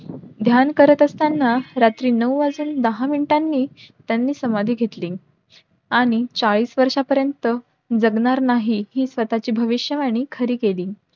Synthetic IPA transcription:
d̪ʱjankəɾət̪əst̪anːaɾat̪ɾiːnəwad͡zuːnd̪əɦaminʈanːiːt̪janːiːsəmad̪ʱiːɡʱet̪lĩːŋ | aɽ̃it͡saɭiːsʋəɾʂapəɾjənt̪ə | d͡zəɡnaɾnaɦiɦiːsʋət̪at͡ɕiːbʱəʋiɕjəʋaɽ̃iːkʰəɾiːkelĩː

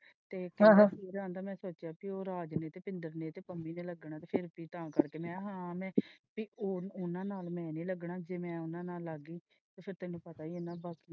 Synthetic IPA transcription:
t̪eːkɪaːsiːɾãːnd̪aːmɛ̃ːsoːt͡ʃjaːpioːɾaːd͡ʒneːt̪eːpɪ̃nd̪əɾneːt̪eːpəmːiːneːləɡɳãːt̪eːpʰɪɾpiːt̪ãːkəɾkeːmɛ̃ːɦãːmɛ̃ːpiːʊnãːnaːlmɛ̃ːnĩːləɡɳaːd͡ʒeːmɛ̃ːʊnãːnaːlːaɡiː | t̪eːpʰɪɾt̪ɛːnũːpət̪aːiːʊnːãːbaːki

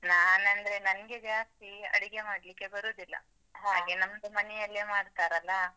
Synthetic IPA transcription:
naːnɐnd̪ɾe̞nɐnɐɡe̞d͡ʒaːst̪iɐ̰ɽiɡe̞maːɽlikːe̞bɐɾuːd̪ilːɐ̰ | ɦaːɡe̞nɐmːd̪umɐnɛjɐlːemaːɖt̪aːɾɐlːɐ

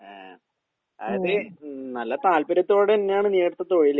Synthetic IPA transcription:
a | a̰ːjɐðɨnɐlːɐt̪aːlpɐɾɐt̪ːoːɽeinːejaːɳɨniːɽt̪ːɐt̪ːoːjilː

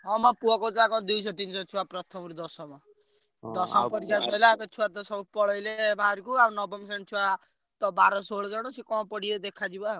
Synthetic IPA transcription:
ɦɔmapuɔkɔtakɔd̪ujsɔt̪insɔt͡ʃʰuwapɾɔt̪ʰɔmɾud̪ɔsɔma | d̪ɔsɔmpɔɾikasɔjlapet͡ʃʰiwat̪ɔsɔbupɔɭʌjlebʱaɾukuanɔbɔms̬ent͡ʃʰiwa | t̪ɔbaɾɔsoɭd͡ʒɔɽ̃osikɔ̃pɔɽied̪ekʰad͡ʒiba

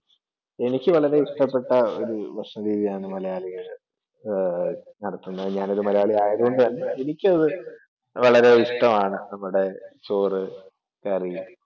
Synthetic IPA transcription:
e̞nikʲːɨʋɐɭɐɾe̞iʂʈɐpːe̞ʈːɐo̞̰ɾuʋɐʂɐmɾiːðijaːɳɨmɐlɐjaːlɐɣɐɭ | nɐɽɐt̪ːunːɐðɨɲaːno̞ɾumɐlɐjaːɭiaːjɐðuɣo̞ɳɖɨʋɐlːɐe̞nikʲːɨɐðɨ | ʋɐɭɐɾe̞iʂʈɐmaːɳɨnɐmːuɽe̞t͡ɕo̞ːrɨ | kɐri

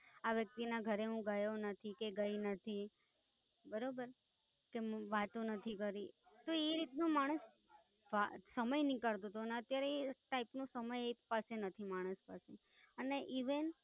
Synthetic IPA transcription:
aʋjək̚t̪inaɡʱəɾeɦũɡəjonət̪ʰikeɡəinət̪ʰi | bəɾobəɾ | keʋat̪ũnət̪ʰikəɾi | t̪oeɾit̪nũmaɽ̃əs | ʋasəməjnĩkəɭt̪ot̪oneət̪jaɾeeʈaipnũsəməjepasenət̪ʰimaɽ̃əspase | əneʔiʋən

